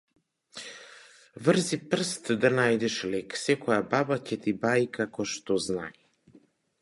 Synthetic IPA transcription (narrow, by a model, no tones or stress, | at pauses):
vrzipr̩st̪d̪anajd̪ɛʃlɛksɛkɔjababacɛt̪ibaikakɔʃt̪ɔzna̰ji